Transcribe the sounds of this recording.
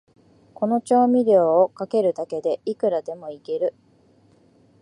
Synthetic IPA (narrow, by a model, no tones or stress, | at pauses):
ko̞no̞t͡ɕo̞ːmʲiɾʲo̞ːkake̞ɾɯ̟t̪ake̞d̪e̞ʔikɯ̟ɾad̪e̞mo̞ike̞ɾɯ̟